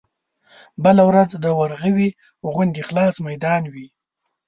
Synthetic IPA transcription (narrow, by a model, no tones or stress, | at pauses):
bəlawɾad͡zd̪əwaɾɣəwi | ɣʊnd̪ixlɑsmajd̪ɑnwi